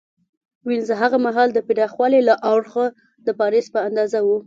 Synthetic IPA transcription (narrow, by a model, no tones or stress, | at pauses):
winzəɦaɣamaɦɑld̪əpiɖɑxwɑlelaʔawɾxə | d̪əpɑɾispəand̪ɑzawu